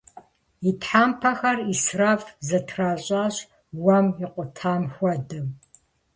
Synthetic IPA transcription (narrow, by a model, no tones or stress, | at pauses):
itħaːmpʰɐxɐrisraːfzɐtʰraːɕʼaːɕ | wɐmiqʷʼʊtʰaːmxʷɔdɨm